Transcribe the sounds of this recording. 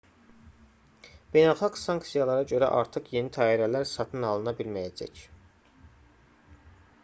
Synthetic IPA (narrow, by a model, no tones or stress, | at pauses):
b̥e̞jnɑlˠχɑksɑŋk̪sijɑlˠɑɾɑɟø̞ɾæ̰ʔɑ̰ɾt̪ʰɯχje̞nit̪ʰɑːiɾælæɾsɑt̪ʰɯnɑlˠɯnɑbilmæjæd͡ʒæ̰c